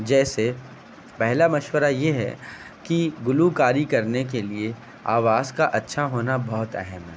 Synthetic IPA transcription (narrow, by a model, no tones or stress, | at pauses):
d͡ʒɛːse | pɛɦlamɐʃwəɾajeɦɛ̰ | kiɡʊlukaːɾikɐɾnek̬elie | a̰ːʋaːzkaʔɐtːʃʰaɦoːnabɔɦʊt̪ɛ̰ɦɛmɦɛː